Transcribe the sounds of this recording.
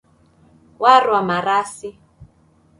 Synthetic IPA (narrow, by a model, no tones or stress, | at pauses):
warwamaɾaːsi